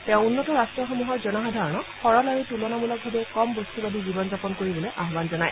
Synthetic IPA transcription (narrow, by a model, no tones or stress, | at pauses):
tɛ̃ʊ̃unːɔtɔɹastɹɔxɔmuɦɔɹzɔnaɦadʱaɹɔnɔxɔɹɔlaɹitulɔnamulɔk̚bʱabɛkɔmbostubadibibɔnzapɔnkoɹibɔlɛʔaɦbanzɔnaj